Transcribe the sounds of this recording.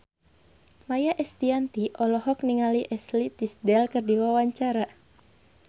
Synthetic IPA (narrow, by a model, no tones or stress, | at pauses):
majaʔɛst̪iant̪iʔɔlɔɦɔk̚niŋaliʔɛslit̪isdɛlkɨrdiwawaɲt͡ʃaɾa